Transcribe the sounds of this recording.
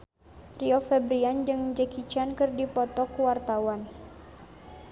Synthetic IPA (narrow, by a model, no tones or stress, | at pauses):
riɔfɛbɾiand͡ʒɨŋd͡ʒəkit͡ʃankɨrdipɔt̪ɔkuwart̪awan